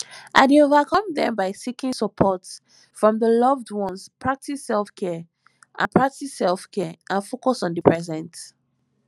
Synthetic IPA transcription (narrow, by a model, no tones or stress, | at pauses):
ʔaɪdeovakʰɔ̃mdɛ̰̃mbaɪsikĩnsəpʰɔts | fɹɔ̃mðəlʌvdwɔ̃nspʰɹ̥ak̚tʰisɛlfkʰɛ | ʔã̰npʰɹak̚tisɛlfkʰɛʔãnfokɔsɔ̃ndəpʰɹɛzɛ̃nt